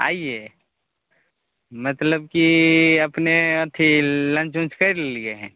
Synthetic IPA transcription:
a̰ːije | mət̪ləb̚kiɐpneɐt̪ʰilə̃nt͡ʃũt͡ʃkəɾllieɦɛ̰̃ː

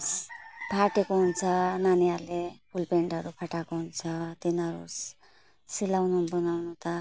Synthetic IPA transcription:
spʰaʈekoɦunt͡sʰʌnaniaɾlepʰulpeɳʈʌɾupʰaʈakoɦunt͡sʰʌt̪inʌɾṵs | silawnunbʌnawnut̪ʌ

